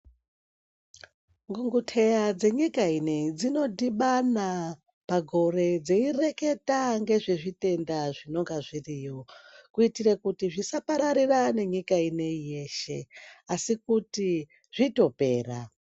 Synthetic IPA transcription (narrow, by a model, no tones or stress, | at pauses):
ŋɡuŋɡutʰe̞jad͡ze̞ɲikained͡zino̞dʱiɓana | paɡʱo̞re̞d͡zeire̞ke̞taŋɡe̞ʐeʐite̞ndaʐino̞ŋɡaʐirijo̞kuitirekutiʐisapaɾaɾirane̞ɲikaine̞ije̞ːʃe̞̰asikuti | ʐito̞pe̞ːra